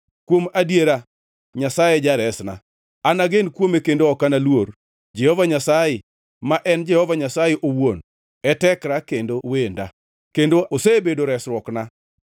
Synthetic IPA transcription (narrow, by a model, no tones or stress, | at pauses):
kwomadjeɾa | ɲasajed͡ʒaɾɛsna̰ | anaɡenkwomekendoɔkanalwoɾ | d͡ʒɛhɔvaɲasaje | maʔɛnd͡ʒɛhɔvaɲasajeʔowon | ɛtɛkɾakendowenda̰ | kendoosebedoɾɛsɾwɔkna